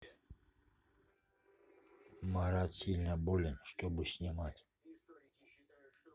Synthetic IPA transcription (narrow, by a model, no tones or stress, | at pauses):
maɾat̪sʲilʲnəbolʲɪnʂt̪obɨsʲnʲɪmatʲ